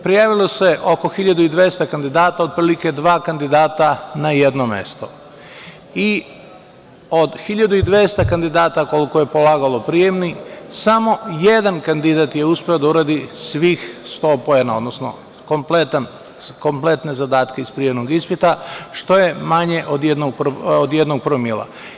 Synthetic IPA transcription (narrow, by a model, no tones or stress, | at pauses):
pɾijaːʋilˠo̞se̞ʔoko̞xiʎad̪uid̪ʋest̪akand̪id̪aːt̪aopɾiːlike̞d̪ʋaːkand̪id̪aːt̪anaje̞d̪nome̞̰st̪o̞ | i | o̞d̪xiʎad̪uid̪ʋe̞ːst̪akand̪id̪aːt̪ako̞liko̞je̞po̞laːɡalo̞pɾije̞mnisamo̞je̞d̪ankand̪id̪at̪je̞uspʲeo̞d̪auɾad̪isʋixst̪o̞ːpojenaod̪nosno̞̰ | komplet̪an | ko̞mple̞t̪ne̞zad̪aːt̪keispɾije̞ʋnoɡispit̪aʃt̪o̞je̞maɲe̞ʔod̪jed̪noɡ̚pɾod̪je̞d̪noɡ̚pɾoomilˠa̰